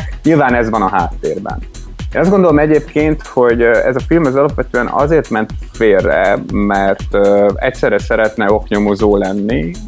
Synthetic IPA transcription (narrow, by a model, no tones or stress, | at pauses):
ɲilvaːnɛzʋɒnɒɦaːt̪ːeːrbɛ̰n | eʃɒzɡo̞nd̪o̞lomɛɟeːpkeːnt̪ho̞ɟɛ̰zɒfilmɒzɒlɒpʋɛt̪øːɛnʔɒ̰zeːrt̪mɛnt̪feːrːɛ̰mɛrt̪øɛcsɛːɾɛsɛɾɛt̪nɛo̞kɲomozoːlɛnːi